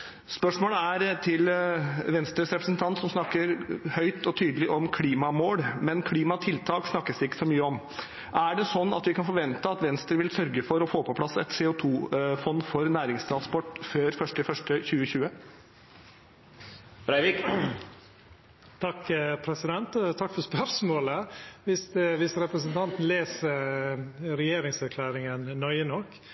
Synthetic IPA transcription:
spœʂmoːləæɾt̪ʰɪlʋɛnst̪ɾəsɾɛpɾəsn̩t̪ʰɑnt̪sɔmsnɑkːəɾhœʏt̪ɔt̪ʰyːd̪əlɪʔɔmkʰliːmɑmoːɽmɛnkʰliːmɑt̪ʰɪlt̪ʰɑːksnɑkːəsd̪ɛɪkːə̥sɔmyːəɔm | ʔæɖɛsɔnːɑ̰t̪ʋɪkɑnfɔɾʋɛnt̪əɑt̪ʋɛnst̪ɾəʋɪlsœɾɡəfɔɾɔfoːpʰɔpʰlɑsɛt̪seːʊt̪ʰuːfɔnːfɔɾnæːɾɪŋst̪ʰɾɑnspɔʈːføːɾfœʂʈəfœʂʈəçʉːəçʉːə | b̥ɾæɪʋɪk | t̪ʰɑkːpʰɾɛsɪd̪ɛnt̪ɔt̪ʰɑkːfɔɾspœɾsmoːləʋɪst̪ʋɪsɾɛpɾəsənt̪ʰɑnt̪n̩leːsə | ɾɛjeːɾɪŋsæɾkʰlæːɾɪŋənnœʏənɔkː

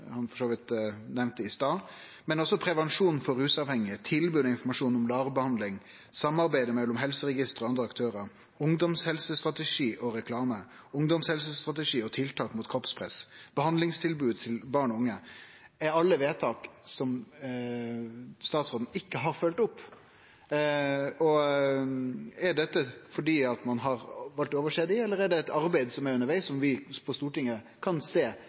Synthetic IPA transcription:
hɑnfɔʂoːʋɪt̪nɛʋnt̪əɪst̪ɑː | mɛnɔsːɔpʰɾɛʋɛnʂuːnfɔɾʉːsɑːʋhɛŋːɪt̪ʰɪlbʉːɔɪnfɔɾmɑʂuːnɔmlɑːʁbəhɑnd̪lɪŋ | sɑmːɑɾbæɪd̪əmɛlːɔmɦɛlsəɾɛɡɪst̪əʁɔɑnd̪ɾəɑkt̪ʰøːɾəɾ | ʊŋd̪ɔmshɛlsəst̪ɾɑt̪əʂiːʔɔɾɛkʰlɑːmə | ʊŋd̪ɔmshɛls̬əst̪ʁɑt̪əʂiːɔt̪ʰɪlt̪ʰɑːkmuːt̪̚kʰɔpspʰʁɛ̰sb̥əhɑnd̪lɪŋst̪ʰɪlbʉːd̪̚t̪ʰɪlbɑːɳɔʊŋːə | æɾɑlːəʋeːt̪ʰɑːksɔm | st̪ɑːt̪sʁoːd̪n̩ɪkːəɦɑɾfœlt̪ɔpː | ɔ | æɖɛt̪ːəfɔɖiːɑt̪mɑnɦɑɾʋɑlt̪oːʋəʂeːd̪ɪɛlːəɾæɖɛɛt̪ɑɾbæɪd̪sɔmæɾʉnːəɾʋæɪsːɔmʋɪpʰɔst̪uːʈɪŋːə | kʰɑnseː

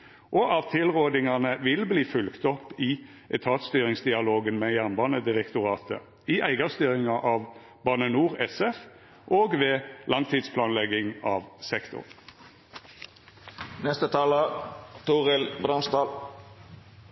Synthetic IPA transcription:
ʔɔʔɑt̪ʰːɪlʁoːd̪ɪŋɑnəʋɪlbliːfʉlkt̪ɔpːɪ | ʔɛt̪ʰɑːt̪st̪yːʁɪŋsd̪ɪɑloːɡənmeːjæʁnbɑːnəd̪ɪʁɛkt̪ʊʁɑːt̪ʰə̰ | ɪʔæɪɡɑst̪yːʁɪŋɑʔɑːʋ | bɑnənuːʁɛsɛf | ʔoːɡʋeːlʔɑŋt̪ʰiːd̪spʰlɑːnlɛɡɪŋɑːʋsɛkt̪ʊ̰ʁ | nɛst̪ət̪ʰɑːlət̪ʰuːʁɪlbɾɑnst̪ɑːl

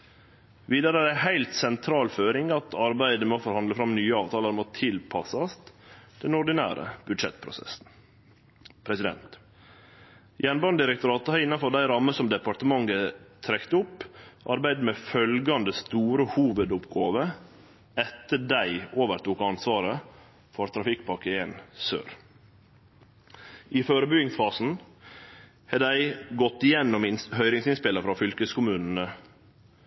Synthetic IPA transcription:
ʋiːd̪ɑɾəd̪æɪhæɪlt̪sɛnt̪ʰɾɑːlføːɾɪŋɑt̪ʰɑɾbæɪd̪əmɛoːfɔɾhɑnd̪ləfɾɑmnyːəɑːʋt̪ʰɑːləɾmot̪ʰɪlpʰɑsɑst̪d̪̥ɛnɔɖɪnæ̰ːɾə̰b̥ʉd̪ʃɛ̰t̪pʰɾʊ̰sɛ̰sn̩ | pʰɾɛsɪd̪ɛ̰nt̪ | jɛnbɑnd̪ɪɾɛk̚t̪ʊɾɑːt̪əhɑɾɪnːɑnfɔɖ̪æɪɾɑmːəsɔmd̪ɛpɑɾt̪əmɑŋːət̪ʰɾɛkt̪əʊpːʔɑɾbæɪd̪mɛfœlɡɑnd̪əst̪uːɾəhuːʋəd̪ʊpɡoːʋə | ɛt̪ːəd̪æɪoːʋəɾt̪uːkɑnsʋɑːɾə | fɔɾt̪ʰɾɑfɪkpʰɑkəeːnsø̰ːɾ | ɪføːɾəbʏɪŋsfɑːsn̩ | hɛd̪æɪɡɔt̪ːɪjɛnːɔmɪhœʏɾɪŋsɪnspɪləfɾɑfʏlkəskʰʊmʉːnn̩ə

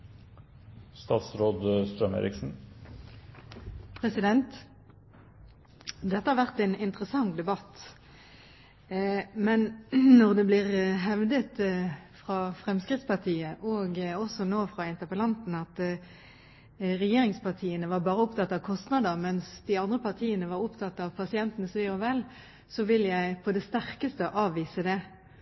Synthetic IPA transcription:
st̪ɑːt̪sɾoːd̪st̪ɾœmḛːɾɪksn̩ | pʰʁɛsɪd̪ɛnt̪ | d̪ɛt̪ːəhɑɾʋæʁt̪ɛnɪnt̪ʁəsɑŋd̪ɛbɑt̪ː | mɛnnɔʁd̪ɛbliːʁɦɛʋd̪ət̪fʁɑːfʁɛmskʁɪt̪spɑʁt̪ʰiːəʔoːɡɔsɔnoːfʁɑɪnt̪əʁpəlɑnt̪n̩ɑt̪ | ʁɛjeːɾɪŋspʰɑʁt̪ʰiːənəʋɑʁbɑːʁəʊpt̪ɑt̪ːɑʋkʰɔst̪nɑd̪əʁmɛnsd̪ɪɑnd̪ʁəpʰɑʁt̪ʰiːənəʋɑɾʊpt̪ʰɑt̪ːɑʋpʰɑsɪɛnt̪ənəsʋeːɔʋɛl | sɔʋɪljæɪpʰɔd̪ɛst̪æʁkəst̪əʔɑːʋːiːsəd̪ɛ

